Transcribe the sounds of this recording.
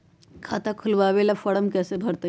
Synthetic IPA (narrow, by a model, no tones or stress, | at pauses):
kʰat̪akʰulʋaʋelafəɽəmkɛsebʱəɾt̪ə